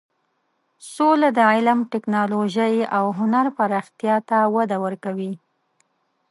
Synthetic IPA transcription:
solad̪əɪlamʈɪknɑloʒajawɦʊnaɾpaɾɑxt̪jɑt̪awad̪awəɾkawi

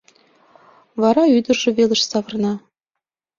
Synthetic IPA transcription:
vɑɾɑyd̪ə̆rʒɘ̆velə̆ʃsɑvɤ̆rnɑ

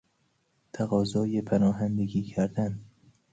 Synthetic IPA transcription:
t̪ʰæɣɒːzɒːjepʰænɒːɦænd̪eɡiːcʰæɾd̪æn

